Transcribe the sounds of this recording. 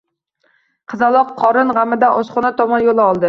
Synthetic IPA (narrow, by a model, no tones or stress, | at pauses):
qʰɨzɑlˠɑqʰːɒɾɨnʁamːɪd̪aʔɒsχɑnæt̪ʰɒmɒnjolˠɒlˠd̪ɪ